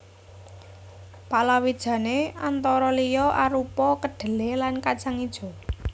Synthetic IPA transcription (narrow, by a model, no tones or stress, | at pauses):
palawid̥ʒ̥ä̤neant̪ɔɾɔlijɔʔaɾupɔkəɖ̥ə̤lelankad̥ʒ̥aŋid̥ʒ̥ɔ̤